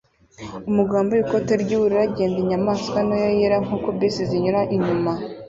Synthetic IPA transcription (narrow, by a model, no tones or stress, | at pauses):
umuɡaːmbojiko̞teɾɟiβuɾiɾaɟeːndiɲamaːskwanojojeɾaŋ̥uːkobisiziɲuɾaʔiɲuma